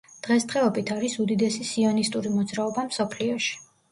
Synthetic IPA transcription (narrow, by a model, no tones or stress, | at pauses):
d̪̥ʁɛsd̪̥ʁɛɔbit̪ʰaɾisud̪id̪ɛsisiɔnist̪ʼuɾimɔd̪zɾaɔbamsɔpʰliɔʃi̥